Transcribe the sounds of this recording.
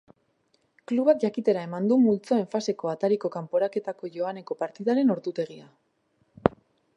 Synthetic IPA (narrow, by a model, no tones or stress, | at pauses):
kluβakʝakit̪e̞ɾae̞mand̪umult͡so̞e̞ɱfase̞ko̞at̪aɾiko̞kampo̞ɾake̞t̪ako̞ʝo̞ane̞ko̞paɾt̪iðaɾe̞no̞ɾt̪ut̪e̞ɣ̞ia